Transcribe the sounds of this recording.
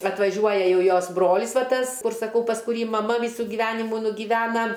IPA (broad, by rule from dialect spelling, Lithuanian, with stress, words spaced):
ɐtʋɐˈʒʲuɔjɛ ˈjɛʊ ˈjoːs ˈbroːlʲɪs ˈʋɐ ˈtɐs ˈkʊr sɐˈkɐʊ pɐs kʊˈrʲiː mɐˈmɐ ˈʋʲiːsʊ ɡʲɪˈʋʲæːnʲɪmuː nʊɡʲɪˈʋʲæːnɐ